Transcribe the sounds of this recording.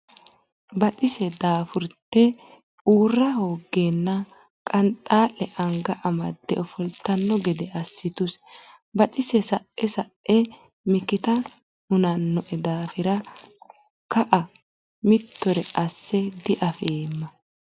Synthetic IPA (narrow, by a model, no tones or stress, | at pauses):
bɐt̪ʼɪsɛd̪aːfʊɾt̪ːɛ | ʔuːrːɐho̞ːɡːenːɐ | kʼɐnt̪ʼaːlɛʔɐŋɡɐʔɐmɐd̪ːɛʔɔfɔlt̪ːɐnːɔɡɛd̪ɛʔɐsːɪt̪ʊs | bɐt̪ʼɪsɛsɐʔʔɛsɐʔʔɛ | mɪkɪt̪ɐ | mʊnɐnːɔʔɛd̪aːfɪɾɐ | kɐʔɐ | mɪt̪ːɔɾɛʔɐsːɛd̪ɪʔɐfeːmːɐ